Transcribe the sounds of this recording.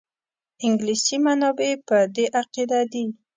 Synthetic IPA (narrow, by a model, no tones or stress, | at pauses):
ɪŋɡlisimanɑbepəd̪eʔaqid̪ad̪i